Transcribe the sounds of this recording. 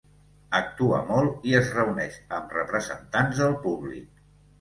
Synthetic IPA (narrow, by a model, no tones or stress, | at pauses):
ək̚t̪uə̰mɔlˠiəzrəunɛʃəmrəpɾəzə̰nt̪anzðəlˠpuβlḭk̚